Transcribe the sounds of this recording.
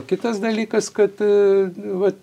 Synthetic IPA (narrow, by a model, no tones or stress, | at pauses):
kʲɪt̪ɐsd̪ɐlʲiːkɐskɐt̪ | ʋɐ